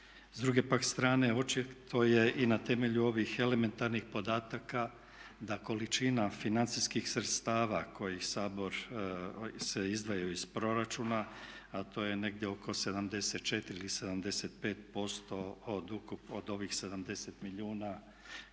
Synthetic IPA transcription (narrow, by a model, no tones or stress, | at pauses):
zd̪ɾuɡe̞pakst̪ɾaːne̞o̞t͡ʃit̪ʰo̞je̞ʔinat̪e̞me̞ʎuo̞ʋixe̞le̞me̞nt̪aɾnixpo̞d̪aːt̪aka | d̪ako̞lit͡ʃinafinant̪siskixsɾe̞t̪st̪aːʋakʰo̞jixsaːbo̞ɾ | seizd̪ʋajoizpɾo̞ɾat͡ʃuna | at̪o̞ːje̞ne̞ɡd̪jeo̞ko̞se̞d̪amd̪e̞set̪̚t͡ʃe̞t̪iɾiilise̞d̪amd̪e̞set̪̚pe̞ːt̪̚po̞st̪o̞ːd̪ukupod̪o̞ʋixse̞d̪amd̪e̞set̪miʎuːna